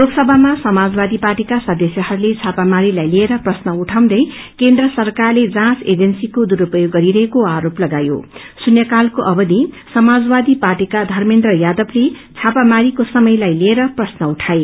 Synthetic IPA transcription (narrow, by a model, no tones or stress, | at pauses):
loksʌbʱamasʌmad͡zbad̪iparʈikasʌd̪ʌsjʌɦʌɾulet͡sʰapamaɾilajlieɾʌprʌsnʌuʈʰaw̃d̪ʌj | kend̪rʌsʌrkarled͡zãsed͡zʌnsikod̪uɾupʌjoɡːʌɾiɾʌɦekoaɾoplʌɡajo̰ | sunjʌkalkoʔʌbʌd̪i | sʌmad͡zbad̪iparʈikad̪ʱʌrmend̪rʌjad̪ʌble | t͡sʰapamaɾikosʌmʌjlajlieɾʌprʌsnʌuʈʰae